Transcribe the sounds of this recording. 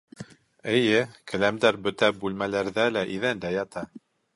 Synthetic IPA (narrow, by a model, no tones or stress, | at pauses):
ɘ̆jɘkʰæ̆læmd̪æɾbɵ̆t̪æbʉlmælæɾðælæʔiðænd̪æjɑt̪ʰɑ